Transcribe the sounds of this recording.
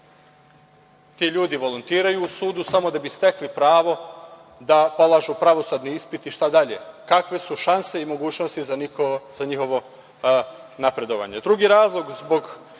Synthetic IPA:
t̪iːʎuːd̪iʋo̞lont̪iːɾajuːsuːd̪usamo̞d̪abist̪e̞klipɾaːʋo̞ | d̪apo̞lˠaːʒupɾaʋo̞sud̪niispit̪iʃt̪ad̪aʎḛkakʋe̞suʃanse̞imo̞ɡuːt͡ɕno̞st̪iz̥aɲixo̞ʋo̞ | napɾe̞d̪o̞ʋa̰ɲe̞d̪ɾuɡiɾaːzlˠo̞ɡzbo̞ɡ

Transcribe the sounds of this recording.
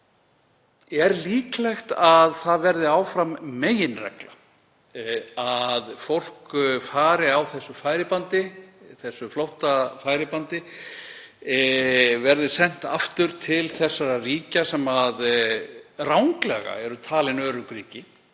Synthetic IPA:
ɛɾliːklɛjxt̪aðθaðvɛɾðɪaːwfɾamːeːjɪnrɛ̰kla | aðfowl̥kfaːɾɪawθɛsːʏfaːjɾɪpant̪ɪθɛsːʏflowht̪afaːjɾɪpant̪ɪ | vɛɾðɪsɛn̥t̪a̰ft̪ʏɾ̥t̪ʰɪlθɛsːaɾariːcasɛmað | rawŋklɛ̰ɣa̰ɛɾʏt̪ʰaːlɪnœːɾʏkɾiːcɪ

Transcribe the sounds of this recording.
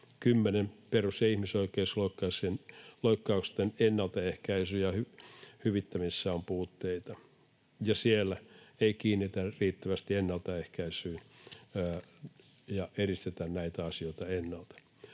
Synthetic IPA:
kymːenemperusjɑihmisoikeisloikːɑsenloikːɑukst̪enenːɑlt̪ɑehkæisyːjɑhyhyʋit̪ːæmisːæompuːt̪ːeit̪ɑ | jɑsielːæeikiːnːit̪æriːt̪ːæʋæst̪ienːɑlt̪ɑehkæisyː | jɑerist̪et̪ænnæit̪æɑsioit̪ɑenːɑlt̪ɑ̥

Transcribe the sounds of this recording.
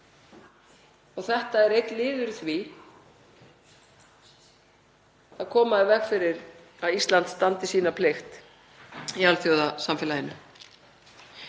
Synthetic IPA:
ɔɣθɛht̪aɛɾejt̪lɪːðʏɾθvi | aðkʰɔːmaðɪvɛxfɪɾɪɾ | aðist̪lant̪st̪ant̪ɪsiːnapʰlext̪ | ialθjowðasamfɪːlahɪnːʏ

